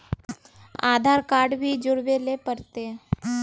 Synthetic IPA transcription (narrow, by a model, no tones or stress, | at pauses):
a̰d̪ʱaɾkaɾɖbʱid͡ʒʊɽʋelepəɾt̪e